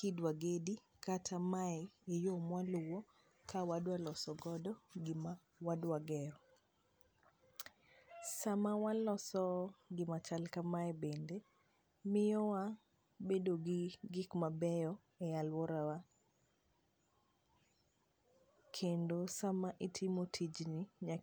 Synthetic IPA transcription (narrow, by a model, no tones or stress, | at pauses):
kidwaɡedi | katʰamaɛejomwalʊwɔ | kawadwalɔsɔɡɔdɔɡɪma | wadwaɡɛɾɔ | samawalɔsɔɡɪmat͡ʃalkamaɛbende | mɪjɔwa | bedoɡiɡɪkmabɛjɔ | ɛjalwɔɾawa | kʰendosamaʔitʰɪmotʰid͡ʒnɪɲa